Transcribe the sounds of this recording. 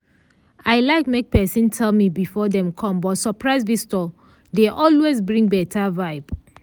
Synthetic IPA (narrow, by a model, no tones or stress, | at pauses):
aɪlaɪkmek̚pɛsĩntʰɛlmibifɔdɛ̃mkʰɔ̃mbɔtsɔpʰɹaɪzbistɔ | deʔɔlwezbɹĩŋbɛtʰavaɪb